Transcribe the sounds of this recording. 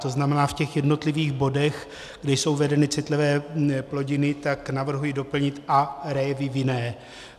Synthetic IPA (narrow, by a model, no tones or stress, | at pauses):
t̪o̞znamɛnaːfcɛxjɛdno̞t̪lɪviːɣbo̞dɛx | ɡdɛjso̞wvɛdɛnɪt͡sɪt̪lɪvɛːplo̞ɟɪnɪt̪aknavr̩ɦujido̞pl̩ɲɪt̪ʔaɾɛjɛvɪvjɪnɛː